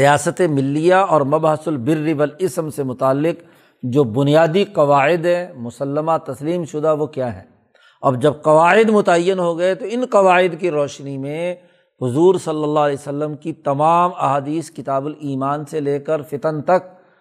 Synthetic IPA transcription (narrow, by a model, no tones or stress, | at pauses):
ɾijaːsət̪emɪlːijaɔːɾmɐbɦəsʊlbɪrːibɐlɪsmsemʊt̪aːlːɪq | d͡ʒoːbʊnijaːd̪iqɐʋaːʕɪd̪ɦɛmʊsəlːəmat̪ɐsliːmʃʊd̪aʋokjaːɦɛ̰ː | ɐbd͡ʒɐb̚qɐʋaːɪd̪mʊt̪ɐɐjːənɦoɡɐet̪oɪnqɐʋaːɪd̪kiɾɔːʃnimẽ | hʊzuːɾsɐlːəlːaɦlɛːsəlːəmkit̪ɐmaːmɐɦaːd̪iːskɪt̪aːbʊliːmaːnseleːkəɾfɪt̪ənt̪ɐk̚